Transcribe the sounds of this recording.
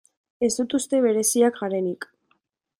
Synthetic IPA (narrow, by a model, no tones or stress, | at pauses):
e̞zd̪ut̪ust̪e̞β̞e̞ɾe̞siakɡaɾe̞nik